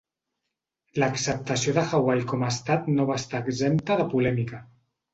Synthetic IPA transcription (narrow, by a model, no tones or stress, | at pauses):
ləksəp̚t̪əsioðəxawajkɔməːst̪at̪noβ̞ast̪aːɡzempt̪əðəpulɛmikə